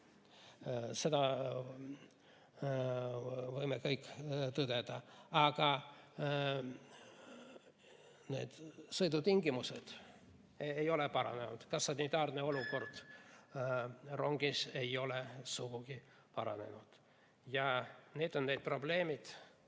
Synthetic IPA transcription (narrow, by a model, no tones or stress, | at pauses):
se̞d̪̥ɑ | vɤjmekɤjkːˑt̪ɤd̪̥ed̪̥ɑɑɡ̥ɑ | ne̞̰ːd̪̥sɤjd̪ut̪iŋɡimused̪̥ | ejo̞lepɑɾɑ̰ne̞nud̪̥kɑsːɑnit̪ɑːrne̞o̞luko̞rd̪̥ | ro̞ŋɡ̥ise̞jo̞lesuɡ̥uɡ̥i | pɑɾɑ̰ne̞̰nud̪̥ | jɑne̞ːd̪o̞nne̞d̪̚pro̞ble̞ːmid̪̥